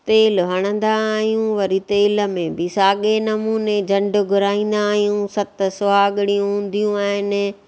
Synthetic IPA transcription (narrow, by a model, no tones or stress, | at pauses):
t̪eːlɦɐɽ̃ə̃nd̪aːɦijũʋɐɾit̪eːlə̆mẽbɪsaːɠenɐmuːned͡ʑɐ̃ɳɖʊ̆ɡʱʊɾaːĩːn̆d̪aːɦijũsɐt̪sʊaːɠɪɽijũɦũːn̆d̪ijũaːɦɪnɪ̆